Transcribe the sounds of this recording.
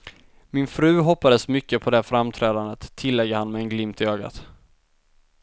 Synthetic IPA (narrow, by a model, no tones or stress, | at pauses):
mɪnfɾʉ̟ːɦɔpːad̪əsmʏkːəpʰɔd̪ɛæfɾamt̪ʰɾɛːd̪and̪ət̪ʰːɪlːɛɡəhanːmɛɛnɡlɪmt̪ɪøːɡa̰t̪